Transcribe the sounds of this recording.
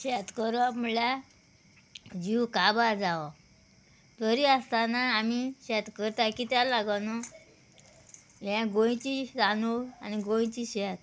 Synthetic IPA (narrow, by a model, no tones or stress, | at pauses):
ɕɛt̪kəɾɔm̤uɭa | d͡ʑiwkabaɾd͡zaʋa | t̪əɾiast̪anaːmiɕɛt̪kəɾt̪akit̪jalaɡanɔ | ɦãɡõj̃t͡ɕid͡zanoaniɡõj̃t͡ɕiɕɛt̪